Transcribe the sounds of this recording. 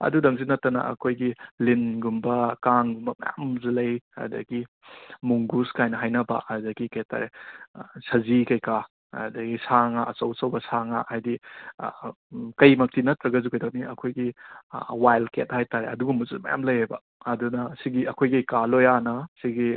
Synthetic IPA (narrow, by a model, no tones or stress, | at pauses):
ɐ̰dudɐŋzinɐtːɐnɐ̰ɐ̰kʰojɡilinɡumbɐkaŋɡumbɐmɐ̰ja̰mzulɐjɐ̰dɐ̰ɡi | muŋɡuskajnɐɦajnɐba̰ɐdɐɡikɐjta̰ɾe | sɐzikɐjka | ɐ̰dɐɡisaŋaʔɐsɐwsɐwbɐsaŋa̰hajdi | kɐjmɐk̚tinɐtɾɐɡɐzukɐjdawniɐkʰojɡi | wajlket̚hajtaɾeɐduɡumbɐzumɐ̰ja̰mlɐjhajbɐ̰ː | dunɐsiɡiɐkʰojɡijkalojanɐsiɡi